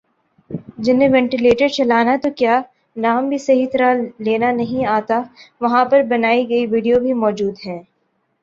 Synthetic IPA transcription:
d͡ʒɪnẽʋɛ̃ɳʈɪleːʈɪɖt͡ʃɐlaːnat̪okjaː | naːmbʱisɐɦit̪ɐɾaleːnanɐɦĩaːt̪aʋɐɦãpɐɾbɐnaːiɡɐiʋɪɖijobʱimɔːd͡ʒuːd̪ɦɛ̃ː

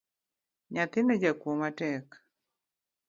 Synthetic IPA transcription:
ɲat̪ɪnod͡ʒakwomatɛk

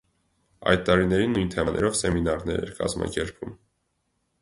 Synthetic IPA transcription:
ɑ̰jt̪̚t̪ːɑɾinɛɾinːujnt̪ʰɛmɑnʔɛɾɔvsɛminɑɾnɛɾɛɾkɑ̰zmɑ̰kɛɾpʰvum

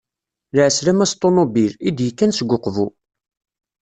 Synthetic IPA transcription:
lʕəsɾæmæst̪ˤːonobilid̪jəkːænsəɡʷːʊqːvu

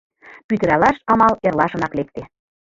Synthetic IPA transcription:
pyt̪ə̆ɾælɑʃɑmɑlerlɑʃɤ̆nɑklek̚t̪e

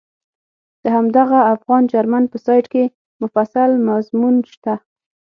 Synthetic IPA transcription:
d̪̥əɦamd̪aɣaːfɣɑnd͡ʒaɾmanpəsɑjʈke | mʊfasalmazmunʃt̪a

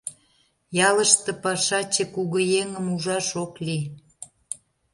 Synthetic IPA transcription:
jɑləʃt̪ɤ̆pɑʃɑt͡ɕekuɣə̆jeŋəmuʒɑʃokli

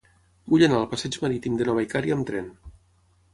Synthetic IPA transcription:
buʎənaəlˠpasɛd͡ʒmaɾit̪imd̪ənɔβajkaɾiːmt̪ɾɛn

